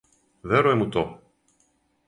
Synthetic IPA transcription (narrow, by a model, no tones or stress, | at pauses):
vɛɾuemut̪o